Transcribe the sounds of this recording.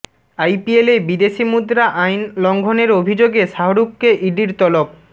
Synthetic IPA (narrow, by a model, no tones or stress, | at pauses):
ajpielebid̪eʃimud̪ɾaʔajnlɔŋɡʱoneɾobʱid͡ʑoɡeʃaɦoɾukːeʔiɖiɾt̪ɔlop̚